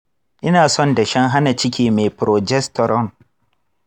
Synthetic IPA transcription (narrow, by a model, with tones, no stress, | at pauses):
ʔɪ˦naː˨sɔ˦nda˨ʃɛ˦ŋɦa˦na˨t͡ʃɪ˦kʲiː˦me˨pɾɔ˨d͡ʒɛ˦stɔ˨ɾɔ˦˨n